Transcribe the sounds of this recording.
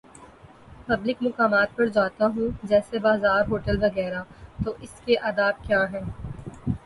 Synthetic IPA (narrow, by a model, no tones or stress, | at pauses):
pɐblɪkmʊkaːmaːt̪̚pɐɾd͡ʒaːt̪aɦũːd͡ʒɛːsebaːzaːɾɦoːʈəlʋɐɣɛːɾat̪oʔɪskeʔaːd̪aːb̚kjaːɦɛ̃ː